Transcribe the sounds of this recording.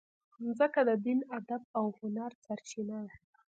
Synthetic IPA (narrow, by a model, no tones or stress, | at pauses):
zəkad̪əd̪inad̪ab̚awhʊnaɾsaɾt͡ʃinala | a